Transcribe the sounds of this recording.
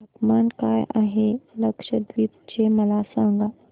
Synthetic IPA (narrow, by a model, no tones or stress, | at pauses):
ɐkmaːnkaːjʔa̰ɦeləkʃəd̪ʋiːt̪t͡ɕemɐlasãŋɡa